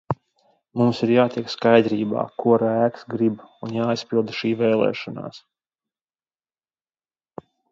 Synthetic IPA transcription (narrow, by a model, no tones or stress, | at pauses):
mumsiɾjaːt̪ʲiɛkskajd̪ɾiːba̰ːkuɔɾæːksɡɾibunjaːijspilˠd̪ʃiːvɛːlˠɛ̰ːʃɔna̰ːs